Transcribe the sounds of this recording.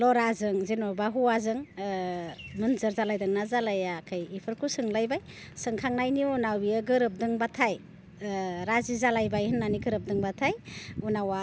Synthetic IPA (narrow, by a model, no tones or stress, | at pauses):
lɔɾazɯŋzenɔbaɦuwazɯŋ | mɯnzɯɾzalajdɯŋnazalajakʰajipʰɯɾkʰusɯŋlajbaj | sɯŋkʰaŋnajniunawiɯɡɯɾɯp̚dɯŋbatʰaj | ɾazizalajbajhɯnːaniɡɯɾɯp̚dɯŋbatʰajunawa